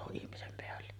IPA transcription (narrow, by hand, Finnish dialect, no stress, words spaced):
ihmisem peælːe